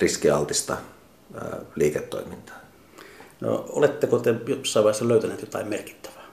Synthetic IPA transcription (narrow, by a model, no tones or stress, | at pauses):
riskiɑlt̪ist̪ɑ | liːket̪ːo̰ˑimint̪ɑ̥ː | no̰o̰let̪ːekot̪ejosːɑˑiʋɑˑeˑhesːɑløˑyt̪æneˑːt̪jot̪ɑ̰ˑemmerki̥t̪ːæ̥ʋæ̥